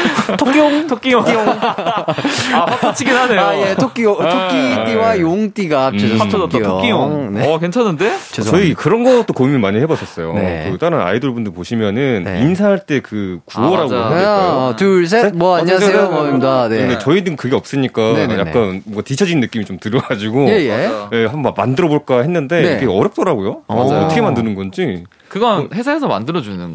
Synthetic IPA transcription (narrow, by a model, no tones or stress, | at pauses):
tʰokoŋtʰok͈ijoo | aapat͡ɕʰiɡinɦaneajeok͈iookk͈it͈iwajoŋt͈iɡaiʌok͈ijoŋneʌkent͡ɕʰʌnːɯndet͡ɕʌikɯɾʌnɡʌt͈okomimimaɲihebʌɕ͈ʰʌs͈ʌjoekɯt͈aɾɯna̰idɯɭbundɯɭpoɕʰimjʌnɯninsʰaŋɦaɭt͈e̞kɯkuʌɾaɡaetuɭsʰeemʌaɲiaeandet͡ɕʌinɯkɯɡe̞ʌp̚s͈ɯɲik͈aja̰kkk͈anmʌŋɡatit͡ɕʰʌd͡ʑinːɯk͈imit͡ɕomtɯɾʌɡad͡ʑiɡoejje̞ɦambʌmandɯɾʌboɭk͈aɦe̞nːɯnde̞kʰeʌɾjʌp̚t͈ʌɾaɡojoaaʌtʌkʰemandɯnɯnɡʌnd͡ʑi | kɯɡʌnhe̞sʰaɦe̞sʰʌma̰ndɯɾʌd͡ʑunɯn